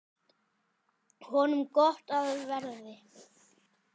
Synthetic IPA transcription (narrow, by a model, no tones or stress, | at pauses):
hɔnʏmkɔht̪aðvɛɾðɪ